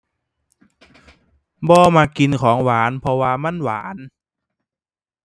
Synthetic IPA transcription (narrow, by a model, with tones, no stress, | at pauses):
bɔː˧maː˧ki˧nkʰɔː˩˦ŋwaː˨˩˦npʰɔ˧waː˧ma˧˥˨nwa̰ː˩˦n